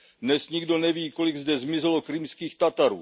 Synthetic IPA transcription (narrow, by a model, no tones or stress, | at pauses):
dnɛsɲiɡdo̞nɛviːkolɪɡzdɛzmɪzɛlokɾɪmskiːxt̪at̪aɾuː